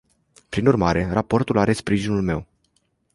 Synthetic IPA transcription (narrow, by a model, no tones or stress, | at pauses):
pɾinurmaɾe̞rapo̞rt̪ulaɾe̞spɾiʒinulme̞̰w